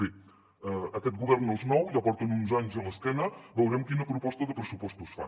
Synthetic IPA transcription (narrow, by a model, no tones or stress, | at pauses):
i | əkɛt̪̚ɡuβɛɾnəlˠznɔwʎapɔɾt̪ənunzaɲzələskɛnəbəwɾɛmkinəpɾupɔst̪əðəpɾəsupɔst̪usfa̰n